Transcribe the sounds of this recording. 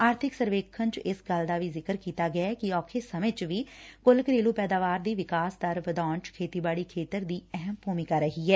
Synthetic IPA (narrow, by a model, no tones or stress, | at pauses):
aːɾt̪ʰɪksəɾʋeːkʰənt͡ʃɪsɡəld̪aːʋiːzɪkəɾkiːt̪aːɡɪaɛːkɪɔːkʰeːsəmẽt͡ʃʋiːkʊlkəɾeːluːpɛːd̪aːʋaːɾd̪iːʋɪkaːsd̪əɾbəd̪aːɳt͡ʃkʰeːt̪iːbaːɽiːkʰeːt̪əɾd̪iːɛɦəmbʱuːmɪːkaːɾːəɦiːɦɛː